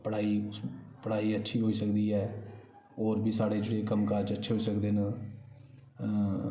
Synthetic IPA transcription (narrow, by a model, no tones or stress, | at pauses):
pəɽaːiːpəɽaːiːətːʃʰiːɦoːiːsəkd̪iːɛː | oːɾbʱiːsaːɽeːd͡ʒeːɽeːkəmkaːɾd͡ʒətːʃʰeːɦoisəkd̪eːnə